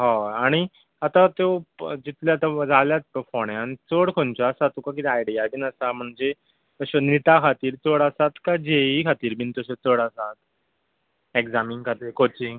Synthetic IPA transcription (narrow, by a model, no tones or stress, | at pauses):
ɦãaɽ̃i | at̪at̪od͡ʑit̪lat̪ad͡zaljat̪pəfɔɳjãnt͡səɽkʰont͡ɕaːsat̪okakit̪ɛajɖijabiːnəsam̤əɳd͡ze | t̪əɕəniʈ̪akʰat̪iːɾt͡səɽəsat̪kad͡ʑeikʰat̪iːɾbʱiːnt̪əɕət͡səɽəsat̪ | ekd͡zamiŋkʰat̪iːɾkot͡ɕiŋɡ